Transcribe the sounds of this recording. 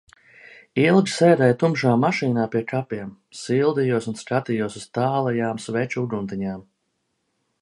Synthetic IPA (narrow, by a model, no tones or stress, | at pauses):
ilˠɡʲi̥sɛːɾɛjt̪umʃaːmaʃiːnaːpiɛkʰapiɛm | silˠd̪ijuɔsunskat̪ijuɔsust̪aːlˠɛjaːmsvɛt͡ʃuuɡunt̪iɲaːm